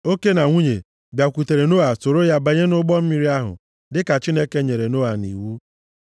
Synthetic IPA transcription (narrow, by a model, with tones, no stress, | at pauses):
o˦ke˦na˨ŋʷu˦ɲe˨ | bja˨kʷu˨te˨ɾe˨no˦a˨so˨ɾo˦ja˦ba˨ɲe˦nʊ˦ɡ͡bɔ˦m̩˦mi˦ɾi˦a˦ɦʊ̰˨ | dɪ˦ka˨t͡ʃi˦ne˦ke˦ɲe˨ɾe˨no˦a˨nḭ˨wu˦